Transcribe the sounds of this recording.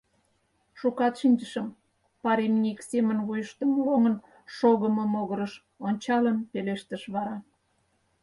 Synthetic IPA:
ʃukɑt̪ʃinʲd͡ʑəʃəm | pɑɾemnʲiksemənβujəʃt̪əmloŋən | ʃoɣəməmoɣəɾəʃ | onʲt͡ɕɑləmpeleʃt̪əʃβɑɾɑ

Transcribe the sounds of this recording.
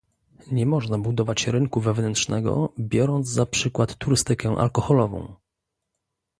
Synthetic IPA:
ɲɛmɔʐnabud̪ɔvat͡ɕɾɘŋkuvɛvnɛnt̪ʂnɛɡɔ̰bʲjɔɾɔnd̪zzapʂɘkwat̪ːuɾɘst̪ɘkɛʔa̰lkɔxɔlɔvɔ̰̃w̃

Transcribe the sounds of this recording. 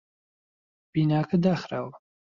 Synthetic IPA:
b̥iːnaːkɐd̪aːxɾaːw

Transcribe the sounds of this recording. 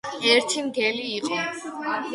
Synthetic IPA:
ɛɾt̪ʰimɡɛliːqʼɔ

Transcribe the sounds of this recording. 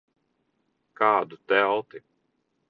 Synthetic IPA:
kaːd̪ut̪ɛlˠt̪i

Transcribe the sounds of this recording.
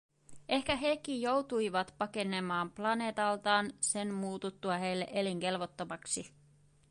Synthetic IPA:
ʔe̞hkæɦe̞ːkːijjo̞wt̪uijʋɑt̪pɑke̞ne̞mɑːmplɑne̞ːt̪ɑlt̪ɑːnse̞nmuːt̪ut̪ːuɑɦe̞jlːe̞̰ʔe̞liŋke̞lʋot̪ːomɑksi

